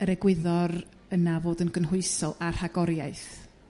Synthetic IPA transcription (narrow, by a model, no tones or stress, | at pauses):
əɾɛɡwɪðɔr | ənavoːdənɡənɦʊɨsɔlˠar̥haɡɔɾjajθ